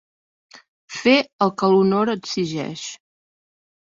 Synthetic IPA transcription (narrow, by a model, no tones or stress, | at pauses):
feəlˠkəlunoɾəɡziʒɛ̰ʃ